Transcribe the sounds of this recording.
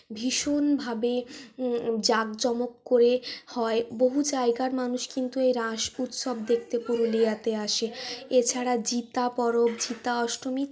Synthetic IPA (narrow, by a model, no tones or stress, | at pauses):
bʱiʃonbʱabe | d͡ʑaɡd͡ʑɔmokːoɾehɔeboɦud͡ʑaeɡaɾmanuʃkint̪uejɾãʃut̪ʃɔb̚d̪ek̚ʰt̪epuɾuliat̪eaʃeet͡ɕʰaɾad͡ʑit̪apɔɾobd͡ʑit̪aɔʃɾomi